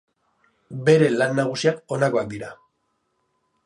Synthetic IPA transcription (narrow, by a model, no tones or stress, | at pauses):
be̞ɾe̞lanːaɣ̞usiako̞nako̞ak̚d̪iɾa